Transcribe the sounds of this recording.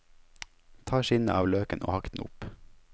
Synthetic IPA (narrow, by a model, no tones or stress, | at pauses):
t̪ʰɑːʃɪnəʔɑːʋløːkənʔo̰ːhɑkt̪n̩ʊ̰p